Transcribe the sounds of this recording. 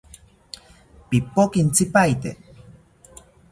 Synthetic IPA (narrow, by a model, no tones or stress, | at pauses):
pipokint͡sipajt̪ḛ